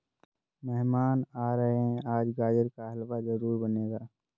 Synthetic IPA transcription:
mɛɦmaːnaːɾəɦeɦɛ̃aːd͡ʒɡaːd͡ʒəɾkaɦɐlʋazɐɾuːɾbɐneːɡaː

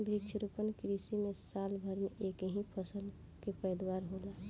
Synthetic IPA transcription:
bɾikt͡ʃʰɾupənkɾisimesaːlbʱəɾmeʔekɦĩpʰəsəl | kepəjd̪waɾɦola

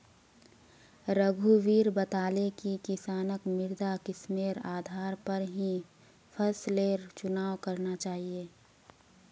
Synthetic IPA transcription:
ɾəɡʱuʋiːɾbət̪aːlekikɪsaːnəkmɪɾd̪akɪsmeːɾaːd̪ʱaːɾpəɾɦĩ | pʰəsleːɾt͡ʃʊnaːʋkɐɾnat͡ʃaːɦieː

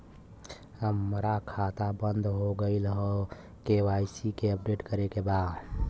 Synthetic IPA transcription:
ɦəmɾakʰat̪abənd̪ʱɦoɡəɪlɦɔ | kewajsikeəp̚ɖeʈkəɾekebaːd̪

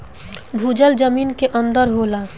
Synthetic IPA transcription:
bʱuːd͡ʒəld͡ʒəmiːnkeʔə̃nd̪əɾɦoːla

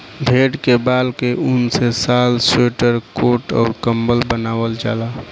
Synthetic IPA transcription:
bʱeɽkebalkeʔunsesalseʈəɾkoʈɔ̰ːɾkəmbəlbənaːwəld͡ʒa̰ːla

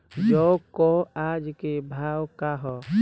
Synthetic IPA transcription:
d͡ʒɔkɔad͡ʒkebʱawkaɦɔ

